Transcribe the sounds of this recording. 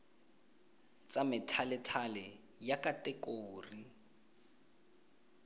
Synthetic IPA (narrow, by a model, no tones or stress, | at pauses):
t͡samɪtʰalɪtʰalɛ | jakatɛkʼoːri